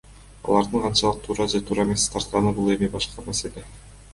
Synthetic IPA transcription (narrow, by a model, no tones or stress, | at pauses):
ɑ̰lˠɑɾd̪ɯɴqʰɑnt͡ʃɑlˠɯq̚t̪ʰuːɾɑd͡ʒet̪ʰuːɾɑemest̪ʰɑɾt̪qɑnɯbulˠe̞mibɑʃqɑmæse̞le̞